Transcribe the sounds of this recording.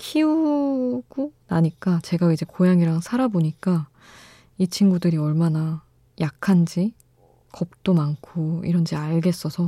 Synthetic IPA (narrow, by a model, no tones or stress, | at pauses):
kʰiu | ɡ̥unaɲik͈at͡ɕe̞ɡaid͡ʑe̞kojaŋiɾaŋsʰaɾaboɲik͈a | it͡ɕʰinɡudɯɾiʌɭmana | jakʰand͡ʑi | kʌp̚t͈omankʰoḭɾʌnd͡ʑiaɭɡe̞s͈ʌsʰʌ